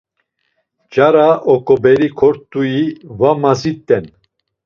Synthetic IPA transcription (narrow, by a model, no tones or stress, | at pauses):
d͡ʒaɾaʔɔkʼɔbɛɾikʰɔɾt̪ʼujivamazit̪ʼːɛn